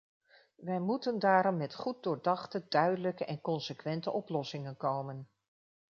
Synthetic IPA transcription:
ʋɛjmutəndaːɾɔmːɛtχut̚dʊːɹdɑχtədœɥdələkəʔɛnkɔnsəkʋɛntəʔɔplɔsɪŋənkowmən

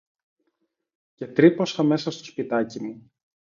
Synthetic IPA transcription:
ce̞t̪ɾipo̞sɐme̞sɐst̪o̞spit̪ɐcimu

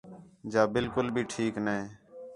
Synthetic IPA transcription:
d͡ʒaːbɪlkʊlbʱiːʈʰiːkne

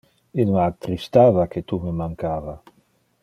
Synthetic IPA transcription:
ilmat̪ːɾist̪aːvaket̪umemaŋkaːva

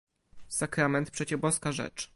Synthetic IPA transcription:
sakɾamɛnt̪̚pʂɛt͡ɕɛbɔskaʐɛ̰t͡ʂ

